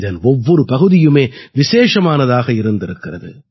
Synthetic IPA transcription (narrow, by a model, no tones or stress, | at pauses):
ðɐnɔʋːɔɾɯpɐɣɯðɪjɯmeːʋɪʃeːʂɐmaːnɐðaːɣɐɪɾɯnd̪ɪɾɯkːɪrɐðɯ̰